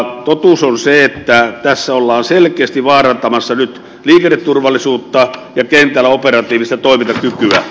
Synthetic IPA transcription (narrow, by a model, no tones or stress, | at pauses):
t̪ot̪usonseet̪ːæt̪æsːæolːɑːnselkeːst̪iʋɑːrɑnt̪ɑmɑsːɑnyt̪ | liːkenːet̪t̪urʋɑlːˑisuːt̪ːɑjɑkent̪ˑælːæoperɑt̪iːʋist̪æt̪oˑimit̪ɑkykyæ